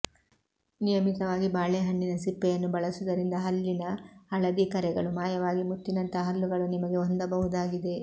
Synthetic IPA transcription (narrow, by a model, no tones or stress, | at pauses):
nijɐmit̪ɐʋaːɡibaːɭɛɦɐɳːinɐsipːɛjɐnːubɐɭɐsud̪ɐɾind̪ɐɦɐlːinɐːɭɐd̪ikɐɾɛɡɐɭumaːjɐʋaːɡimut̪ːinɐnt̪ɐɦɐlːuɡɐɭunimɐɡe̞ond̪ɐbɐɦud̪aːɡid̪e̞